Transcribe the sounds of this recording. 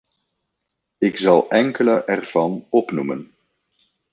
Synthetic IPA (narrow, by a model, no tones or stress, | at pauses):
ɪkzɑlˠɛŋkələʔɛrv̥ɑnɔpnumə̰n